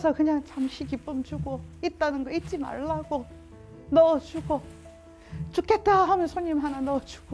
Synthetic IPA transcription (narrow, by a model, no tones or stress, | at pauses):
sʰʌkɯɲaŋt͡ɕamɕʰikip͈ɯmt͡ɕuɡoit̚t͈anɯnɡʌit͡ɕ͈ima̰ɭːaɡo | nʌt͡ɕuɡo | t͡ɕuk͈ʰe̞t̚t͈aɦamjʌnsʰoɲimɦananʌt͡ɕu̥ɡo